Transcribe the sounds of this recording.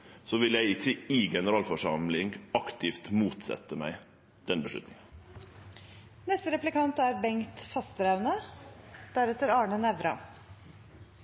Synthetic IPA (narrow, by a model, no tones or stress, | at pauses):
soːʋɪljæɪɪçːəɪɡɛnəɾɑːlfɔʂɑmlɪŋɑkt̪ɪft̪muːt̪sɛ̰t̪ːəmæ̰ɪ | d̪̥ɛnbəʂlʉ̰t̪nɪŋən | nɛst̪əɾɛplɪkɑnt̪æɾbɛŋkt̪fɑst̪əɾɑʉnə | d̪̥æɾɛt̪əɾɑːɳənæʋɾɑ̰